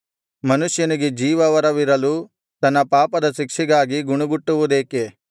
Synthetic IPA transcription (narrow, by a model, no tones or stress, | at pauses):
mɐnuʃjɐniɡed͡ʒiːʋɐʋɐɾɐʋiɾɐluː | t̪ɐnːɐpaːpɐd̪ɐʃikʂiɡaːɡiɡuɳuɡuʈːuʋud̪eːke